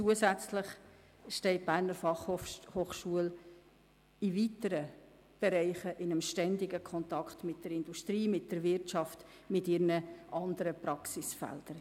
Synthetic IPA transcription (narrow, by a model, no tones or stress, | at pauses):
t͡suəzæt͡slɪχ | ʃtɛɪt̚b̥æːɾnəɾfɑχohoːχʃuəl | ɪvitəɾə | b̥ɛɾɛɪχəʔɪnəmʃtɛndɪɡəkʰɔntɑkχtmɪt̚d̥əɾɪnduʃtɾiːmɪt̚d̥əɾvɪɾtt͡ʃɑft | mɪtɪɾnəʔɑndəɾəpɾɑksɪsfɛ̰ld̥əɾ